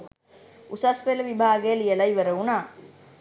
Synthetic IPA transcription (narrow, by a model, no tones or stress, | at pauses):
usaspeləʋibʱaːɡejəlijəlɐiʋəɾəunaː